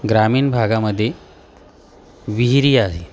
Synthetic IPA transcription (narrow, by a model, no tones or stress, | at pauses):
ɡɾamiːnbʱaɡaməd̪ʱːje | ʋiɦɾiːaɦe